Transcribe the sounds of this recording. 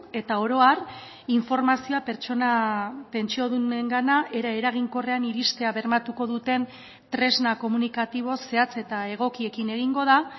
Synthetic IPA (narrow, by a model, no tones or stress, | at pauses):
e̞t̪ao̞ɾo̞ar | iɱfo̞ɾmasioape̞ɾt͡ʃo̞nape̞nt͡ʃio̞ðune̞ŋɡanaʔe̞ɾae̞ɾaɣ̞iŋko̞re̞aniɾist̪e̞aβe̞ɾmat̪uko̞ðut̪e̞n | t̪ɾe̞znako̞munikat̪iβ̞o̞se̞at͡se̞t̪ae̞ɣ̞o̞kie̞kine̞ɣ̞iŋɡo̞ða